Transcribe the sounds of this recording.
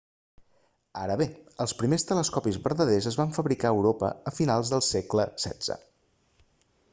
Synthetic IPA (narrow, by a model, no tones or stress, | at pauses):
a̰ɾəβeəlˠspɾimest̪ələskɔpizβəɾðəðezəzβaɱfəβɾikaəwɾopə̰əfinalˠzðəlˠsekləsɛ̰dd͡z̥ə̰